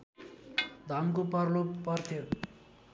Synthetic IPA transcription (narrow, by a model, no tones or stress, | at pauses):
d̪ʱʌmkopʌrlopʌrt̪ʰjo